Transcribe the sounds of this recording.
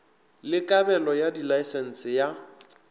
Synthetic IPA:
lɪkʼabɛlɔjadilaɪsɛn̩sʼɪja

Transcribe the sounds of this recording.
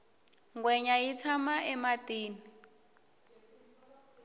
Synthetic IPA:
ŋɡwɛɲajit͡sʰamaʔɛmatiːni

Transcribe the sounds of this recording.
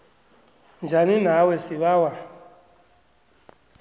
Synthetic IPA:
nd͡ʒʱaninawɛsiβawa

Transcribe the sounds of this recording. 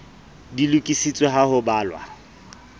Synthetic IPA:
dilukʼisit͡sʼweɦahʊbaːlwa̰

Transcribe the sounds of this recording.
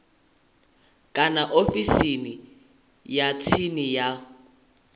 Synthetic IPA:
kʼanaʔofisini | jat͡sʰinija

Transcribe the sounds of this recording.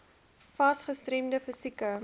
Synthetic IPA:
fɐsχəstɾemdəfəsikə

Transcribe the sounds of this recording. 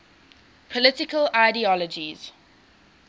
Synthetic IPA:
pʰɔlɪtɪkəlaɪdiɔlɔd͡ʒiz̥

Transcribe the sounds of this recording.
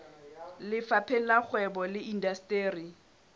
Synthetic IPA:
lɪfapʰelak͡xʰwɛbɔlɪʔindastʼeːri

